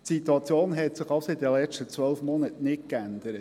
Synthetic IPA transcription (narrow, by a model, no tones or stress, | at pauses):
tsit̪uɑt͡sjoːnɦɛt̪sɪχɑʊsoɪtdɛlɛʃtət͡sʋœlfmɔnətnɪt̚kænd̪əɾət